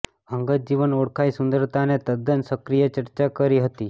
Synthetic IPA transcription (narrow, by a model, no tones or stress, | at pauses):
əŋɡəd͡ʒiʋənoɽkʰaisund̪əɾt̪anet̪əd̪ʱənsəkɾijət͡ɕəɾt͡ɕakəɾiːɦət̪i